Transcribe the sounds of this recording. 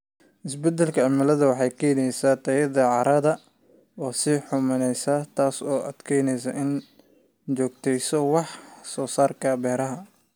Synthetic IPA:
ʔɪsbɛd̪ɛlkʰɐɐmɪlɐðɐwɑħɑjkʰɛːjnɛjsaːt̪ʰɐjɐðɐʕɑɾʔɐðɐ | ɔːsiħʊmɐnɛjsat̪ʰaːsɔːʔɐ̰d̪̥kʰɛjnɛjs̬ɐʔɪn | t͡ʃɔːɡ̚t̪ʰɛjsɔwɑħsɔːsaːrkʰɐbɛːɾɐɦɐ

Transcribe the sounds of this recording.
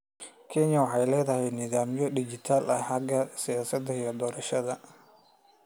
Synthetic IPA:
kʰɛɲɐwɑħɑjlɛːðɐɦɛjnɪðaːmjɔɖɪd͡ʒɪt̪ʰaːlʔɐħɑɡɐsɪjaːsɐd̪ɐijɔd̪ɔːɾɐʃɐðɐ

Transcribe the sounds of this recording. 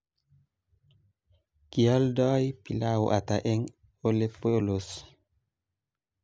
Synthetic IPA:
kijaldɔːjpilawṵʔataʔɛŋ | olɛpːɔlos

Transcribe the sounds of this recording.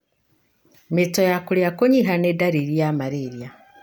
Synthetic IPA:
metɔjakoɾjakoɲiɦanedaɾiɾjamaɾeɾja

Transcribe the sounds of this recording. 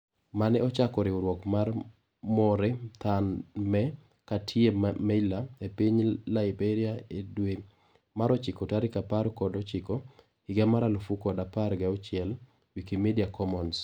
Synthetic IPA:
manɛɔt͡ʃakɔɾɪoɾwɔkmar | mɔɾet̪anmɛ | katʰjemɛlaepiɲlaɪbeɾiaedwe | maɾɔt͡ʃɪkɔtaɾɪkapaɾkɔdɔt͡ʃɪkɔ | ɪɡamaɾalofukɔdapaɾɡɛɔt͡ʃɪɛl | wikimediakɔmɔns

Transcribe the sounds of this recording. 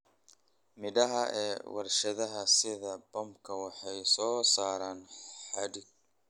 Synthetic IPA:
mɪdɐɦɐʔɛ̰ːwɑ̰rʃɐðɐɦɐsɪðɐbɔmkʰɐwɑħɑjsɔːsaːɾaːnħɑɖɪɡ̚

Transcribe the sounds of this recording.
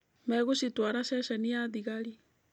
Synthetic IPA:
mɛɣuʃitwaɾaʃɛʃɛniaðiɣaɾi

